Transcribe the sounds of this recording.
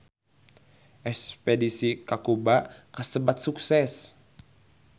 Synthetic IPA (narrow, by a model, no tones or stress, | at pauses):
ʔɛkspedisikakubakasəbat̪suksɛs